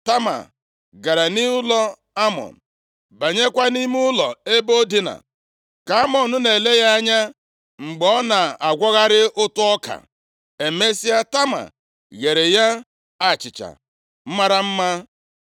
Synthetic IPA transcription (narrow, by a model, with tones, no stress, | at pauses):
ta˦ma̰˨ | ɡa˨ɾa˨ni˦ʊ˦lɔ˦ | a˦mɔ̰˨n̩˨ | ba˨ɲe˦kʷa˦ni˦m˦ʊ˦lɔ˨e˦bo˦di˦na̰˨ | ka˨a˦mɔ˨nʊ˦ne˨le˦ɣa˦a˦ɲa˦ | ŋ͡m̩˨ɡ͡bɔ˨˦na˨a˨ɡʷɔ˦ɣa˦ɾɪ˦ʔʊ˦tʊ˦ɔ˦ka̰˨ | e˨me˦si˦a˦ta˦ma̰˨ | ɣe˨ɾe˨ja˦ | a˨t͡ʃɪ˨t͡ʃa̰˨ | m̩˦ma˦ɾa˦m̩˦ma˦